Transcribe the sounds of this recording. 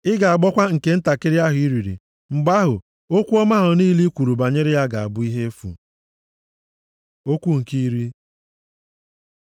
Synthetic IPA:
ɪ˦ɡa˨a˨ɡ͡bɔ˦kʷa˦ŋ̩˨ke˨n̩˦ta˨kɪ˦ɾja˦ɦʊ˨i˦ɾi˨ɾḭ˨ | ŋ͡m̩˨ɡ͡ba˦ɦʊ˨ | o˦kʷu˦ɔ˦ma˦ɦʊ˨niː˦li˦kʷu˨ɾu˨ba˨ɲe˦ɾɪ˦ja˦ɡa˨a̰˨bʊ˦i˦ɦe˦fṵ˨ | o˦kʷu˦ŋ̩˨ki˦ɾi˦

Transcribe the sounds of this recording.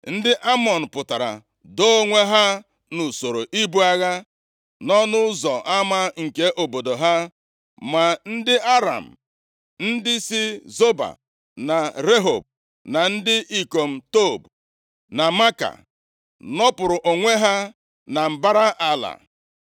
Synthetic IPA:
n̩˦dɪ˦ʔa˦mɔ˨n̩˨pʊ˨ta˨ɾa̰˨ | do˦o˦ŋʷe˦ɦa˦ | nu˨so˨ɾo˨ʔi˦bu˦a˦ɣa˦ | nɔ˦nʊ˦zɔ˨ʔa˦ma˦ŋ̩˨ke˦ʔo˨bo˨do˨ɦa˦ | ma˨n̩˦dɪ˦ʔa˦ɾa̰˨m̩˨ | n̩˦dɪ˦si˦zo˦ba̰˨ | na˨ɾe˦ɦo̰˨b̚ | na˨n̩˦dɪ˦ʔi˦ko˨m̩˨to˦˨b | na˨ma˦ka̰˨ | nɔ˦pʊ˨ɾʊ˨ʔo˨ŋʷe˦ɦa˦ | na˨m̩˨ba˦ɾa˦ʔa˦la̰˨

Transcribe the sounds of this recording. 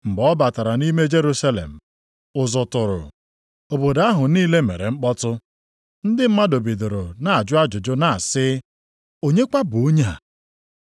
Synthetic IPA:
ŋ͡m̩˨ɡ͡bɔ˦ba˨ta˨ɾa˨ni˦me˦d͡ʒe˦ɾu˦sa˦lḛ˨m̩˨ | ʊ˨zʊ˨tʊ˨ɾʊ̰˨ | o˨bo˨da˦ɦʊ˨niː˦le˦me˨ɾḛ˨ŋ͡m̩˦k͡pɔ˦tʊ˦ | n̩˦dɪ˦m̩˦ma˦do˨bi˨do˨ɾo˨na˨a˨d͡ʒʊ˦a˦d͡ʒʊ˨d͡ʒʊ˦na˨a˨sɪ˦ | o˦ɲe˦kʷa˦bu˨o˦ɲ˦a̰˨

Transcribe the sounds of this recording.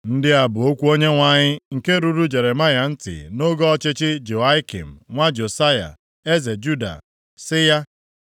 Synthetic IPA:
n̩˦dɪ˦a˨bʊ˨o˦kʷu˦o˦ɲe˦ŋʷa˦ɲɪ˦ŋ̩˨ke˦ɾu˦ɾu˦d͡ʒe˨ɾe˨ma˦ja˨n̩˦tɪ̰˨no˦ɡɔ˦ɔ˦t͡ʃɪ˦t͡ʃɪ˦d͡ʒo˨a˦i˦kḭ˨m̩˨ŋʷa˦d͡ʒo˨sa˦ja̰˨ | e˦ze˨d͡ʒu˦da̰˨ | sɪ˦ja˦

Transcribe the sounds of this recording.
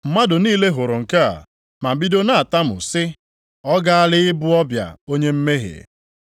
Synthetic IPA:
m̩˦ma˦dʊ˨niː˦le˦ɦʊ˨ɾʊ˨ŋ̩˨ka˦a̰˨ | ma˨m̩˨bi˦do˦na˦a˨ta˦mʊ̰˨sɪ˦ | ɔ˦ɡa˦a˦lɪ˦ɪ˦bʊ˦ɔ˦bja̰˨o˦ɲe˦m̩˦me˦ɦḛ˨

